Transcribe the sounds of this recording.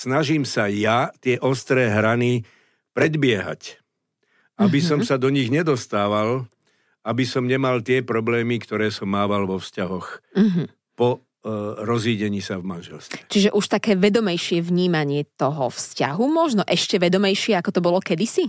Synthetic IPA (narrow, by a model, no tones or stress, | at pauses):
snaʒiːmsajat̪ɪɛʔɔst̪ɾɛːɦɾani | pɾɛd̪bɪɛɦa̰c | ʔabisɔmsad̪ɔɲiɣɲɛd̪ɔst̪aːʋal | abisɔmɲɛmalt̪ɪɛpɾɔblɛːmikt̪ɔɾɛːsɔmːaːʋalʋɔfscaɦɔx̩ɦ̩ | pɔ | ɾɔzʋiːɟɛɲiːsavmanʒɛlst̪ʋɛ̥t͡ʃiʒɛʔuʃt̪akɛːʋɛd̪ɔmɛjʃɪɛʋɲiːmaɲɪɛt̪ɔɦɔ̰fsca̰ɦumɔʒnɔʔɛʃcɛʋɛd̪ɔmɛjʃɪɛakɔt̪ɔbɔlɔkɛd̪isi